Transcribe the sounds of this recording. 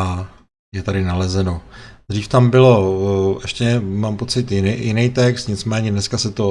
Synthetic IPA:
a | jɛt̪adɪnalɛzɛno̞d̪riːft̪ambɪlo̞ɛʃcɛmaːmpo̞t͡sɪt̪jɪnjɪnɛjt̪ɛkst̪ɲɪt͡smɛːɲɛdnɛskasɛt̪o

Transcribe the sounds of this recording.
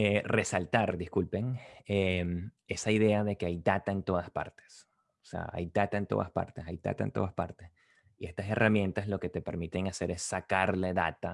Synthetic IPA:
ere̞salt̪aɾd̪iskulpe̞ŋeme̞saiðe̞aðe̞keajd̪at̪ae̞nt̪o̞ðaspa̰ɾt̪e̥s | osḛa̰a̰jd̪at̪ae̞nt̪oða̰spa̰ɾt̪esajd̪a̰t̪aḛnt̪o̞ðaspa̰ɾt̪es | ie̞st̪ase̞rʔamjẽ̞nt̪aslo̞ke̞t̪e̞pe̞ɾmit̪e̞ŋase̞ɾe̞sːakaɾle̞ða̰t̪a

